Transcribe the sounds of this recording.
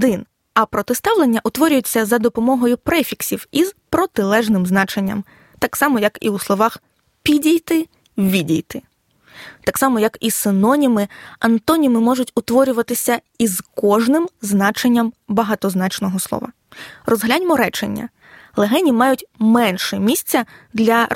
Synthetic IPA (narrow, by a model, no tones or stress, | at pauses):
d̪ɪn | ɐpɾɔt̪ɪst̪ɑʋlenʲːɐʔʊt̪ʋɔɾʲʊjɛt͡sʲːɐzɐd̪ɔpɔmɔɦɔjʊpɾɛfʲiksʲiwiz̥pɾɔt̪ɪlˠɛʒnɪmznɑt͡ʃenʲːɐ̰m | t̪ɑksɑmɔjɐkḭuslˠɔʋɑx | pʲidʲijt̪ɪ | ʋʲidʲijt̪ɪ | t̪ɑksɑmɔjɐkisɪnɔnʲimɪɐnt̪ɔnʲimɪmɔʒʊtʲʊt̪ʋɔɾʲʊʋɐt̪ɪsʲɐ | izkɔʒnɪmznɑt͡ʃenʲːɐmbɐɦɑt̪ɔznɑt͡ʃnɔɦɔslˠɔ̰ʋɐ̰ | rɔzɦlʲanʲmɔɾɛt͡ʃḛnʲːɐ̰ | lˠeɦɛnʲimɑjʊtʲmɛnʃɛmʲisʲt͡sʲːɐd̪lʲɐ